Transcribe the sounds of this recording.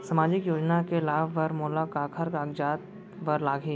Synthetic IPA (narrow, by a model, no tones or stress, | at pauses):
sɐmaːd͡ʒɪkjoːd͡ʒnakelaːbʋɐɾmoːlakaːkʰəɾkaːɡd͡ʒaːt̪ | ʋɐɾlaːɡiː